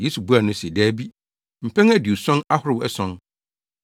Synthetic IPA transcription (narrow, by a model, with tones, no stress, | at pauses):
je˦su˨bu˦a˨nʊ̃˦si˨dɛː˦bi˦ | m̩˨pʰɛ̃˦ŋæ˦di˨u˨sɔ̃˦na˦hʊ˦ɾɪ˦wɛ˦sɔ̃˦n